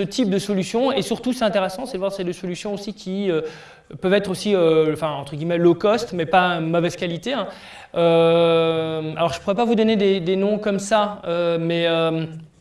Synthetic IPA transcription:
sət̪ʰip̚d̪əsɔlysjɔ̃esyʁt̪usɛt̪ɛ̃t̪eʁɛsɑ̃sɛd̪əvwaʁsɛd̪esɔlysjɔ̃osikʲʰiø | pœvɛt̪χosiøɑ̃fɛ̃ɑ̃t̪χəɡʲimɛlɔkɔst̪mɛpamɔvɛz̥kalit̪eɛ̃ | ø | alɔʁʒəpuʁɛpavud̪ɔned̪ed̪enɔ̃kɔmsaømɛøm

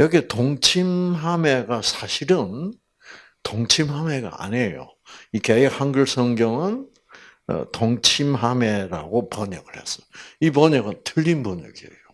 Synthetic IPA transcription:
jʌɡetoŋt͡ɕʰimɦame̞ɡasʰaɕʰiɾɯn | toŋt͡ɕʰimhame̞ɡa̰a̰ɲejo̰ikeek̚haŋɡɯɭsʰʌŋɡjʌŋɯn̰ | toŋt͡ɕʰimɦameɾa̰ɡopʌɲʌɡɯɭhes͈ʌ̥joipʌɲʌɡɯntɯʎːinbʌɲʌ̰ɡie̞jo

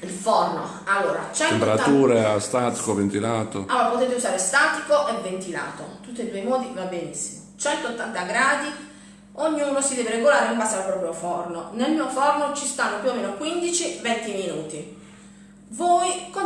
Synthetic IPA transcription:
ilfɔrno | alːoːɾa̰t͡ʃɛnemp̪peɾat̪uːɾeast̪aːt̪i̥kovent̪ilaːt̪o̰alːoːɾapot̪eːt̪̬euzaːɾest̪aːt̪ikoʔɛvːent̪ila̰ːt̪ot̪ut̪ːied̪uːemɔːd̪ivabenisi̥mot͡ʃɛnt̪oot̪ːant̪aɡɾaːd̪i | oɲːiuːnosid̪ɛːveɾeɡolaːɾempasaːɾepɾɔːpɾjofɔrnonelmiːofɔrnot͡ʃist̪anːopjuomːeːnokwind̪it͡ʃivɛnt̪iminuːt̪i | vɔːjko

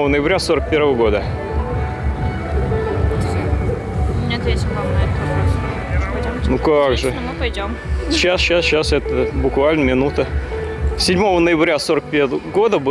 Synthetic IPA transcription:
ovənəjɪbɾʲasoɾək̚pʲe̞ɾvəvəɡo̞d̪ə | nʲet̪esʲnɐmnaka | nukaɡʐɨ | ʊpɐjdʲom | ɕasɕasɕasɛt̪əbʊkvalʲnəmʲɪnut̪ə | sʲɪdʲmo̞vənəjɪbɾʲasoɾək̚pʲeɡod̪əb

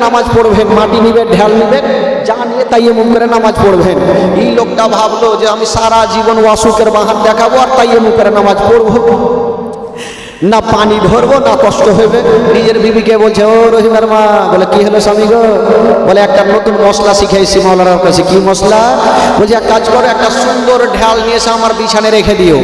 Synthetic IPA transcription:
namad͡ʒpoɽbʱenmãʈinibeɖʱjalnibend͡ʒanjet̪ajemukəɾenamad͡ʒpoɽbʱenilokʈabʱablod͡ʒeəmisaɾad͡ʒibənwasukeɾbaɦand̪ekʰabuaɾt̪ajemukəɾenamad͡ʒpoɽbo | napaniɖʱoɾbonakɔsʈoɦojbenid͡ʒeɾbibikebolt͡ʃʰeoɾoɦinəɾmaɡolekiɦelosamiɡɔboleek̚ʈanot̪unmɔslasikʰajsimaolaɾaɾket͡ʃʰikimɔslabolt͡ʃʰekʈad͡ʒkɔɾek̚ʈasund̪əɾɖʱjalniesãəməɾbit͡ʃʰaneɾekʰed̪ijo

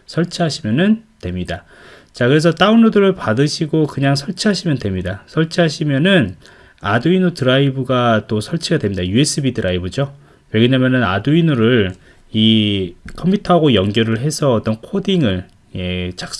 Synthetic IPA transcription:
sʰʌɭt͡ɕʰiɦaɕʰimjʌnɯntwe̞mɲida | t͡ɕakɯɾe̞s̬ʰʌt͈aunːodɯɾɯɭpadɯɕʰiɡokɯɲaŋsʰʌɭt͡ɕʰiɦaɕʰimjʌndwe̞mɲidasʰʌɭt͡ɕʰiɦaɕʰimjʌnɯn | aduinotɯɾaibɯɡat͈osʰʌɭt͡ɕʰiɡadwe̞mɲidajue̞s͈ɯbidɯɾaibɯd͡ʑo | weɡeɲamjʌnɯna̰duinuɾɯɭ | ikʰʌmpʰutʰʌɦaɡojʌŋɡjʌɾɯɭɦe̞sʰʌʌt͈ʌnkʰodiŋɯɭ | je̞t͡ɕak̚s

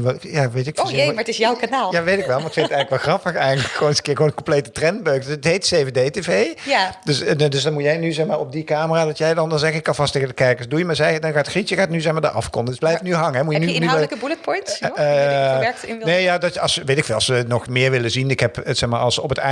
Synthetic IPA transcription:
ʋjaːʋejtɪkfmaətɪsjɔwkanaːlˠjaːʋejtɪkʋɛlˠmaɹɪkfɪnətɛjɣnləkʋɛlˠxrɑpəxɛjɣəntləkxoːnɪzə̥kɪːɹɣəʋoːnənkɔ̃mplejtətrɛnt̚bøɥkdøsətɦejtsejvedejtevejjadøsdøs̬dɑnmutjɛjnyzɛxmaːɹɔp̚dikaːməraːdɑtjɛjdɑndɑnzɛɣəɪkːɑlvɑsteːɣədəkɛɹkəsdujəmaːɹzɛdɑnxaːtxritjəxaːtnyzɛxmaːdaʔɑ̰fkɔndəsblɛjftnyɦɑŋəɦɛmujənyɪnyəkəbulət̚pɔjntː | ɛɹɪnnejjaːdɑtɑsʋejtɪkfɪːlˠɑsənɔxmɪːɹʋɪləzinɪkɦɛpəsɛxmaːɹʔɑlˠsɔpəta̰

